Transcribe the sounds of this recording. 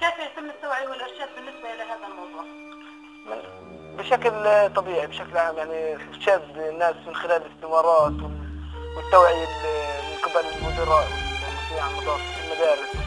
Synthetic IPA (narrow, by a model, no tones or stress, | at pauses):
keːfjat̪ɪmːɪt̪ːawʕiwɪlʔɪɾʃaːd̪̚bɪnːɪsbaʔɪlaɦaːðalmɑwðˤuːʕ | mɪn | bɪʃaklt̪ˤɑbiːʕibʃaklʔʕaːmjaʕniɾʃaːd̪nːaːsmɪnxɪlaːlɪst̪ɪmɑːɾˤɑːt̪wwɪt̪ːawʕɪjalmɪnqɪbalɪlmʊd̪ɑɾˤɑːaħsiːʕanʔɑd̪ˤɑːfɪlmad̪aːɾɪs